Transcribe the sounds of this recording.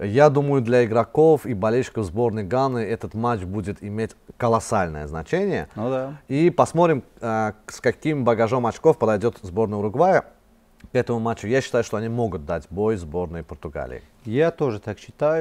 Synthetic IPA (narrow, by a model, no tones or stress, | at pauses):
jad̪uməjʊd̪lʲɐɪɡɾɐkofibɐlʲelʲɕɪ̥kəvzbo̞rnəjɡanːɨɛt̪ət̪mat͡ɕbudʲɪt̪ɪmʲetʲkəlˠɐsalʲnə̰jəznɐt͡ɕenʲɪjə̰nd̪aipɐsmot̪ɾʲɪm | skɐkʲimbəɡɐʐomɐt͡ɕkofpəd̪ɐjdʲot̪zbo̞rnəjɾʊɡvajə | kɛt̪əmʊmat͡ɕːʊjaɕːɪ̥t̪ajʊʂt̪oɐnʲimo̞ɡʊt̪̚d̪atʲbojzbo̞rnəjpərt̪ʊɡa̰lʲɪ̰ɪ̰ | jat̪oʐɨt̪akɕɪt̪ajʊ